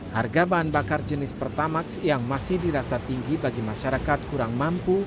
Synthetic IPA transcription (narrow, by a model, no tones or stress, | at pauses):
harɡabaɦanbakard͡ʒənɪspərt̪amaksjaŋmasɪhdiɾasat̪iŋɡibaɡimaʃaɾakat̪̚kuɾaŋmampu